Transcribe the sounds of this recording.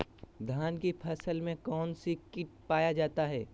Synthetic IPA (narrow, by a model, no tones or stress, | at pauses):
d̪ʱaːnkipʰɐsəlmẽkɔːnsikɪʈ̚paːjad͡ʒaːt̪aɦɛː